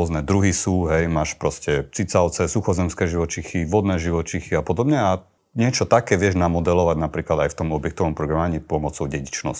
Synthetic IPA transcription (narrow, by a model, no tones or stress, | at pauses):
ɔznɛd̪ɾuɦisuːɦɛjmaːʃpɾɔscɛt͡sit͡saʊt͡sɛsuxɔzɛmskɛːʒiʋɔt͡ʃixiʋɔd̪nɛːʒiʋɔt͡ʃixiapɔd̪ɔbɲɛa | ɲɪɛt͡ʃɔt̪akɛːʋɪɛʒnamɔd̪ɛlɔʋaɟnapɾiːklad̪ajft̪ɔmɔbjɛk̚t̪ɔʋɔmpɾɔɡɾamaɲipɔmɔt͡sɔʊɟɛɟit͡ʃnɔ̰sc